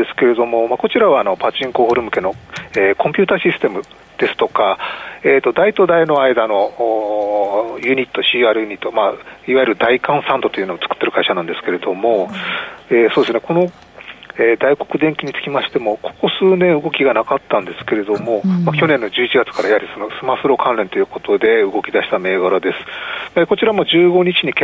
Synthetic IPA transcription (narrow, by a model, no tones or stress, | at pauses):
esɨ̥ke̞ɾe̞d̪o̞mo̞mako̞t͡ɕiɾaβaːno̞pat͡ɕĩŋkohoɾɯ̟mɯ̟ke̞no̞eːkõ̞mpʲɨːt̪aɕisɨ̥t̪e̞mɯ̟ | d̪̥e̞sɨ̥t̪o̞kaeːt̪ːo̞d̪ait̪o̞d̪aino̞aid̪ano̞ | jɯ̟ɲ̟it̪ːo̞ɕiːaːɾɯ̟jɯ̟ɲ̟it̪ːo̞maiβaiɾɯ̟d̪aikãɰ̃sãnt̪o̞t̪o̞jiɯ̟noot͡sɨ̥kɯ̥t̪ːe̞ɾɯ̟kaiɕanãnd̪e̞sɨ̥ke̞ɾe̞d̪o̞mo̞ | eːsoːd̪esɨneko̞no̞ | ed̪aiko̞̥kɯ̟d̪eŋkʲiɲ̟it͡sɨ̥kʲimaɕi̥t̪e̞mo̞kʰo̞̥ko̞sɨːnẽɰ̃ɯ̟ɡo̞kʲiɡanakat̪ːãnd̪e̞sɨ̥ke̞ɾe̞d̪o̞mo̞makʲo̞nẽ̞nːo̞d͡ʑɨːit͡ɕiɡat͡sɨ̥kaɾajihaɾʲiso̞no̞sɨmasɨɾo̞kʰãnɾe̞nt̪o̞jɯ̟ːko̞t̪o̞d̪e̞ɯ̟ɡo̞kʲid̪aɕi̥t̪ame̞ːɡaɾod̪e̞sɨ̥meko̞t͡ɕiɾamod͡ʑɨːɡo̞ɲ̟it͡ɕiɲ̟ike